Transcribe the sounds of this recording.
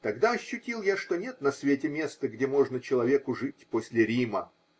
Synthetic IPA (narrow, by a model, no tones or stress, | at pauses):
t̪ɐɡd̪aɐɕːʊtʲilˠjaʂt̪o̞nʲe̞t̪nɐsvʲetʲɪmʲe̞st̪əɡdʲemo̞ʐnət͡ɕɪlˠɐvʲe̞kʊʐɨtʲposʲlʲɪɾʲimə